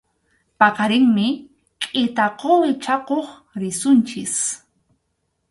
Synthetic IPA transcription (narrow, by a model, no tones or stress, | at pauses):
pɑqɑɾɪŋmɪ | kʼɪt̪aqowɪt͡ʃaqoχ | ɾɪsʊnt͡ʃɪs